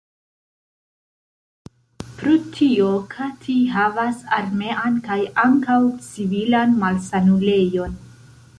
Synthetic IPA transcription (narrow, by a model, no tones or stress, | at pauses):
pɾotʰio̞kʰatʰiɦavasaɾme̞ʔankajaŋkawt͡sivilanmalsanule̞jo̞n